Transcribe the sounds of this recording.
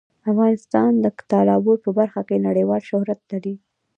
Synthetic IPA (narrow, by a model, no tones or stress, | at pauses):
afɣɑnɪst̪ɑnd̪ət̪ɑlɑboɾpəbaɾxakenaɽəjwɑlʃʊhɾat̪̚laɽi